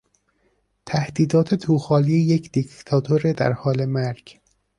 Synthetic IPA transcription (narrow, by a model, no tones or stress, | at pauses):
t̪ʰæhd̪iːd̪ɒːt̪ʰe̞t̪ʰuːxɒːliːejecʰd̪̥ikʰt̪ʰɒːt̪ʰoɾed̪æ̰ɾhɒːle̞mæɾɡ̥